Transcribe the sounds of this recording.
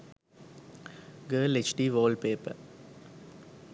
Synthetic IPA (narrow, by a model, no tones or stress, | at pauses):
ɡəːlet͡ʃʈiːʋoːlpeːpə̰